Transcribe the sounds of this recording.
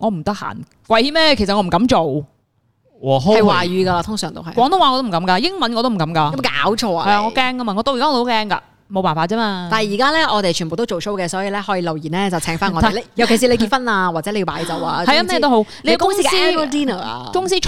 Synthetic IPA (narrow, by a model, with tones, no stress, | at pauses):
ŋɔː˨˧m̩˨˩t̪ɐ˥k̚ha̰ː˨˩n | kʷɐ˧jhiː˨˥mɛː˥˨kʰe˨˩sɐ˨ŋɔ˨˧m̩˨˩kɐ˨˥mt͡ʃo˨w | wɔː˨˩ɦo˥ɐ˨jwaː˨˩jyː˨˧ɡɐ˧laː˧t̪ʰʊ˥ŋsœ̰ː˨˩ŋt̪o̰˥whɐ˨jkɔː˨˥ŋt̪ʊ˥wa˨ŋː˨˧t̪o˥m̩˨˩kɐ˨˥mka˧jɪ˥ŋmɐ˨˥nɔ˧t̪m̩˨˩kɐ˨˥mkaː˧˦˥ka̰ː˨˥wt͡ʃʰɔː˧ɐ˨ja˧ŋːɔ˨˧kɛː˥ŋkɐ˥ma˧ŋɔː˨˧t̪o˥wjkaː˥˧˥kɛː˥ŋka̰ː˧ | mo˨˧wpaː˨nfaː˧t̚t͡sɛː˥maː˧aː˨˩hji˨˩kaː˥lɛː˥ʔɔ˨˧t̪e˨jt͡ʃʰy˨˩nbo˨wt̪o˥wt͡ʃo˨wso˥wkɛː˧sɔː˨˥ji˨˧lɛː˥hɔː˨˧˥jiː˧lɐ˨wjiː˨˩nlɛː˥t͡sɐ˨wt͡sʰɛː˨˥ŋfaː˥nŋɔː˨˧e˨˩˨jɐ˨˩wke˨˩si˨˧le˧kiː˧fɐ˥naː˧waː˨˩t͡sɛ˨˧˥e˧jpaː˨˥jt͡sɐ˨˩waː˧hɐ˨ja˧mɛ˥ɛ˧t̪o˥ɦo˨˥wle˧˦jɛ˧˥kʊ˥sŋː˥˧siː˥ɛ˥pːtiː˥nɐ̰˨˩˧kʊ˥ŋsiː˥